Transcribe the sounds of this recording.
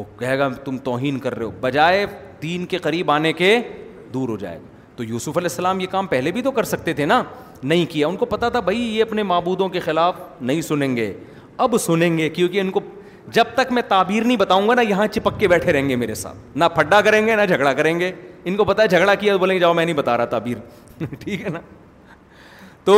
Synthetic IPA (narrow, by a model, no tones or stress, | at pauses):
okɐɦeːɡat̪ʊmt̪ɔːɦiːnkɐɾːɐ̰ɦo̰ːbɐd͡ʒaːe | d̪iːnkeqɐɾiːbaːneke | d̪uːɾɦod͡ʒa̰ːḛɡa̰ | t̪ojuːsʊfɐlɛːɦsːɐlaːmjekaːmpɛɦlebʱit̪okɐɾsɐk̚t̪et̪ʰena | nɐɦĩkijaʊnkopɐt̪at̪ʰabʱɐijeɐpnemaːbuːd̪õkexɪlaːfnɐɦĩsʊnẽːŋɡeː | ɐbsʊnẽːŋɡekjõːkiʊnko | d͡ʒɐb̚t̪ɐkmɛ̃t̪aːbiːɾnɐɦĩbɐt̪aːũŋɡanajɐɦãt͡ʃɪpəkːebɛːʈʰeɾɐɦẽːŋɡemeːɾesa̰ːt̪̚ʰnapʰɐɖːakɐɾẽːŋɡenad͡ʒʱɐɡɽakɐɾẽːŋɡeɪnkopɐt̪ad͡ʒʱɐɡɽakijaoboːlẽŋɡed͡ʒaːomɛ̃ːnɐɦĩbɐt̪a̰ːɾaat̪aːbiːɾ | ʈʰiːkɦɛna | t̪oː